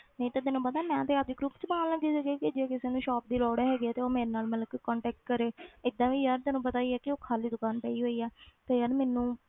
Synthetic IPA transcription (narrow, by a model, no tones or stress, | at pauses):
nəĩt̪ad̪ɪnːũːpəd̪aːmɛ̃ːt̪eːap̚d̪iːɡɾʊpt͡ʃbaːnləɡd̪iːsəɡeːkɪd͡ʒeːkɪseːnũːʃɔːp̚d̪iːɾɔːɽɛɦɛːɡiɛːt̪eːoːmeːɾeːnaːlmət̪ləkːkɔːɳʈɛːk̚ʈ̚kəɾeːɪd̪ːãːʋiːjaɾt̪ɛːnũːp̬ət̪aːiːɛːkɪoːkʰaːliːd̪ʊkaːnpɛːiːɦoːiːɛːt̪eːjaːɾmɛːnũː